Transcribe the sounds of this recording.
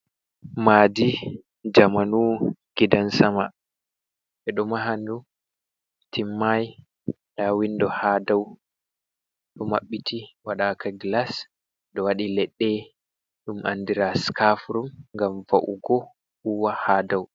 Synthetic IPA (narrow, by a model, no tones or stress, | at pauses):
maːdi | d͡ʒamanuɡ̥idansama | ɓɛɗumaɦandu | tʰimːaj | ɗawindɔhaːdaw | ɗɔma̰ɓːitʰiwaɗakaɡlas | ɗɔwaɗilɛɗːɛ | ɗumʔa̰ndiɾaskafɾumŋɡamvaʔṵɡɔ | uwahaːdaw